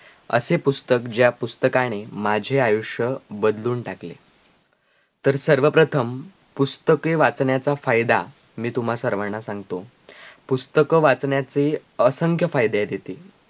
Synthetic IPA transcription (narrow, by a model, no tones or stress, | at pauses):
ə̰sepust̪əkd͡ʑjapust̪əkaɽ̃emad͡ʑʱeajuʂjəbəd̪luːɳʈaklḛ | t̪əɾsəɾʋəpɾət̪ʰəm | pust̪əkeʋat͡sɳjat͡safajd̪a̰ | miːt̪um̤asəɾʋəɾɳasãŋɡt̪o | pust̪əkʋat͡sɳjat͡seəsəŋkʰjəfajd̪jad̪jet̪iː